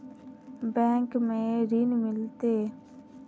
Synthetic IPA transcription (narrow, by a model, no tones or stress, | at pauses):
bɛ̃ːŋkmẽɾinmɪlt̪eː